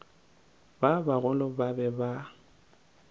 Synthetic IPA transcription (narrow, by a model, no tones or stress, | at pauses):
babaɣʊlɔbabɛba